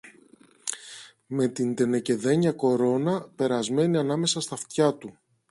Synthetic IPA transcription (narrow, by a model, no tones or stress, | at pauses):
me̞t̪ind̪e̞ne̞ce̞ðe̞ɲɐko̞ɾo̞nɐpe̞ɾɐzme̞niɐnɐme̞sɐst̪ɐft̪çɐt̪u